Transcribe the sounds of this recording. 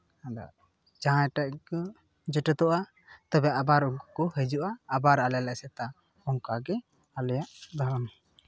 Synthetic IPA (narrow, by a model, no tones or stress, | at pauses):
ad̪a̰ | d͡ʒaãjʈaʔkɔ | d͡ʒəʈɛt̪ɔʔa | t̪abɛʔabaɾuŋkkɔhəd͡ʒuʔaːbaɾalɛlɛʔsɛt̪a | hɔŋkaɡɛ | alɛjaʔd̪aɾan